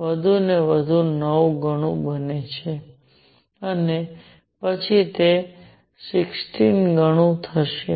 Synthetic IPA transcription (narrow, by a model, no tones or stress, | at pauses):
ʋəd̪ʱuneʋəd̪ʱunəʋɡəɽ̃ũbənet͡ʃʰe | əne | pət͡ʃʰit̪e | sɪksʈinɡəɽ̃ũt̪ʰəʃe